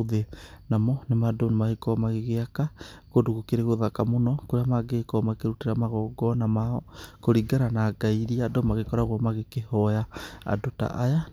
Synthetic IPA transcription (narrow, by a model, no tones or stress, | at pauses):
ðenamɔnemadonemaekɔmaɣeɣeakakodoɣokeɾeɣoðakamonɔkoɾeamaɡekɔmakeɾutiɾamaɣɔɡɔnamaɔkoɾiɡaɾanaɡaiɾiadomaɣekɔɾaɣwamaɣekehɔjaa̰dota̰ʔaja